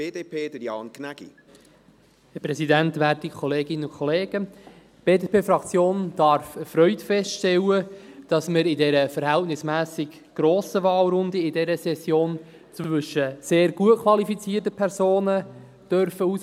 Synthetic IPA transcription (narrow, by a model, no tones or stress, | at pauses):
eːdeːpeːd̥əjɑ̰ːnkʰnæɡ̥ḭ | hɛpɾɛsidæntʋæːtikʰɔleːɡɪnːəʊkʰɔleːɡ̥ə | b̥eːdepeːfɾɑkt͡sjoːnd̥ɑɾfəfɾœʏtfɛstʃtɛlːəd̥ɑsməɾɪdɛɾəfəɾhæltnɪsmæːsɪk | ɡ̥ɾoːsəvɑːlɾʊndəɪdɛɾəsɛsjoːn | t͡sʋʋʏʃːəseːɾɡ̥uətkʰʋɑlifit͡siːrtəpʰɛɾzoːnə | d̥œɾfəus